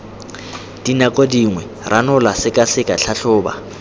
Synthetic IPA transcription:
d̥inakʼodiŋwɛ | rʔanʊlasɪkʼasɪkʼaɬʰaɬʊːba̰

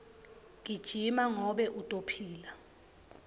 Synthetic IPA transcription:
ŋ̬ʼid̥ʒ̥ʱimaŋɔɓɛʔutʼopʰiːla

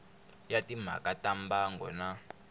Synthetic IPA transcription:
jatim̤a̰katambaŋɡɔ̰na

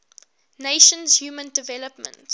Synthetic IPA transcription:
neɪʃə̃nzhjuːmə̃ndɪvɛləpmə̰̃nt

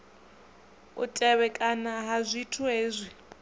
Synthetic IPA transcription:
ṵtʼɛβɛkʼanaɦazʷitʰuɦeːzʷi

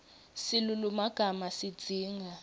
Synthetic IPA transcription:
silulumaɡ̥ʱamasid̥d͡z̥ʱiːŋa

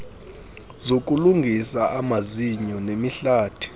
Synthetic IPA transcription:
zok̬ʼuluŋɡʱisaʔamaziɲɔnemiɬaːtʰi̥

